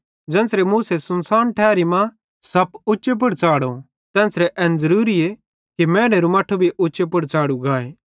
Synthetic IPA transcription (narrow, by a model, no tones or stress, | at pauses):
d͡ʒɛ̃ːnsɾemuːsesɐnsaːnʈʰɛːɾimã | sɐpʊt͡ʃːʃep̬ʊɽt͡saːɽo | t̪ɛ̃ːnsɾɛʔɛːnd͡zɐɾuːɾie | kimɛ̃ːɽeɾumaːʈʰobʱiʔʊːt͡ʃepʊɽt͡saːɽuɡaːeː